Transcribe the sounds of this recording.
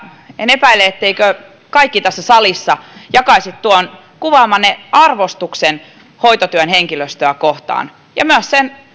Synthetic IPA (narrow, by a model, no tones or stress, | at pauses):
enepæilːeet̪ːeikø | kɑikːit̪æsːæsɑlisːɑjɑkɑisit̪t̪uon | kuʋɑːmːɑnːeɑrʋost̪uksen | hoit̪ot̪yønheŋkiløst̪øækoht̪ɑ̰ːn | jɑmyøssen